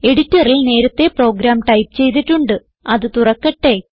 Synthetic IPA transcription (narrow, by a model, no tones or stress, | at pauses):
e̞ɽitːɐrilne̞ːɾɐt̪ːe̞pro̞ːɡɾaːmʈɐjpt͡ɕe̞jt̪̬iʈːuɳɖɨ | ɐðɨt̪urɐkːɐʈːe̞